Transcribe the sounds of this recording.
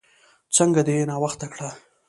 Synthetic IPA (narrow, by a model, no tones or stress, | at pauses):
t͡səŋɡad̪ejenɑwaxt̪akɽa